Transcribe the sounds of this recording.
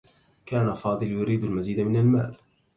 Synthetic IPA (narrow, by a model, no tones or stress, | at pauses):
kaːnafɑːd̪ˤɨljʊɾiːd̪almaziːd̪amɪnalma̰ːl